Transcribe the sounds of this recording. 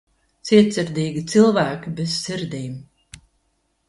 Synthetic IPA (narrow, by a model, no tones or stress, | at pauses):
t̪sʲiɛt̪siɾd̪ʲiːɡʲit̪silˠvæːkʲibesːiɾd̪iːm